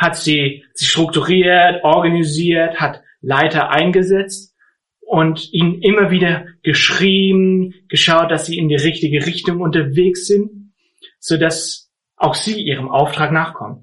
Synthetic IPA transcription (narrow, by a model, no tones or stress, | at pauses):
hatz̥iːz̥iːʃtʁ̥ʊktuʁiːɐtʔɔɐɡaniziːɐthat | laɪtɐʔa̰ɪnɡəzɛt͡st | ʔʊntʔiːnnʔɪmɐviːdɐɡ̥əʃʁ̥iːbm̩ɡ̥əʃaʊt̚d̥asz̥iːɪndiːʁɪçtɪɡəʁɪçtʊŋʊntɐveːksz̥ɪnt̚ | z̥oːdas | ʔaʊxz̥iːʔiːʁ̞əmʔa̰ʊftʁ̥aːknaːχkʰɔ̰mt